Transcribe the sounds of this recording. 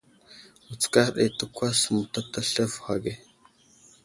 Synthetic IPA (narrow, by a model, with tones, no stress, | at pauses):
u˨t͡ska˦xɗḛ˨tu˦kʷa˦smu˨ta˦ta˦ɬə˦vxa˨ɡe˨